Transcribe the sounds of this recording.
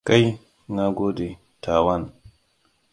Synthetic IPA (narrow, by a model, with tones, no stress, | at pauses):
ka˦j | ŋa˦ɡo˦de˨ | tʰaː˨wa˦n